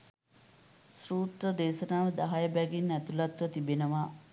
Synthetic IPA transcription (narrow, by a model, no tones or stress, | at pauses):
sɾuːt̪ɾəd̪eːʃɐnaːʋed̪ɐɦajɐbæɡinːæt̪ulɐt̪ʋɐt̪ibenɐʋaː